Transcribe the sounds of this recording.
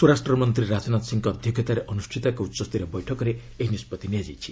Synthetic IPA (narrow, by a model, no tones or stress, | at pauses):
suɾasʈɾɔmɔnt̪ɾiɾad͡ʒɔnat̪siŋkɔːd̪ʱjɔkʰjɔt̪aɾeʔɔnusʈʰit̪akɔut̪ːsɔst̪iɾebɔjʈʰɔkɔɾe | eɦinispɔt̪iniad͡ʒajt͡ʃʰi̥